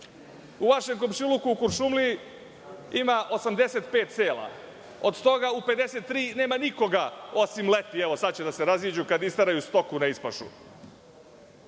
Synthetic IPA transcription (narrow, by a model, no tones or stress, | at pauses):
uʋaʃeŋkomʃilukuːkuɾʃumli | imaʔo̞samd̪e̞se̞t̪̚pe̞ːt̪t̪seːlˠa̰ | o̞d̪st̪o̞ɡaupe̞d̪e̞set̪ːɾiːne̞ːmaniko̞ɡaosimlet̪ieʋo̞sad̪̚t͡ɕed̪ase̞ɾaziːd͡ʑukad̪ist̪aɾajust̪o̞kunaispaʃṵ